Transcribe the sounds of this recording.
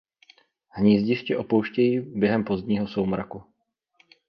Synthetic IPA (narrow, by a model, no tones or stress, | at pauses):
hɲiːzɟɪʃcɪʔo̞powʃcɛjiːbjɛɦɛmpo̞zd̪ɲiːɦo̞sowmɾa̰ku